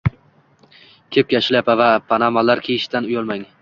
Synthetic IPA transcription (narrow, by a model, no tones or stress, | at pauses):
kʲʰep̚kʲaʃɪlapavapʰanamalaɾkʲʰeɪʃt̪anʊjɒlˠmaŋ